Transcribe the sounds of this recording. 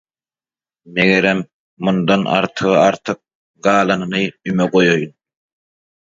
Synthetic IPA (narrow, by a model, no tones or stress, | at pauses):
meɣeɾemː | und̪ɑnʔɑ̰ɾt̪ʰɯɣɑɾt̪ʰɯq̚ | ɡɑːlˠɑnɯnɯymeɡojojun